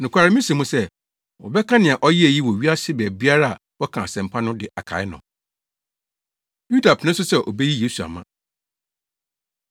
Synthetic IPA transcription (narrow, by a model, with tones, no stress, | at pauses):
nʊ̃˨kʷa˨ɾɪ˦mɪ̃˦sɛ̃˨mũ˦sɛ˦˨ | wɔ̰˨bɛ˦kʰã˦nɪ̃˨a˨ʔɔ˦ji˦æ˨ji˦wɔ˨ɥi˦a˦sɪ˦bɛ˨bi˦a˦ɾa˦a˨wɔ˦kʰã˨a˨sɛ̃˨m˨pʰa˦nʊ̃˦dɪ˨ʔa˨kʰa̰˨ɪ˦nʊ̰̃˨ | ju˦da˨pʰnɪ̃˦s̬ʊ˦sɛ˦ʔo˨be˦ji˦jeː˦su˨a̰˨mã̰˦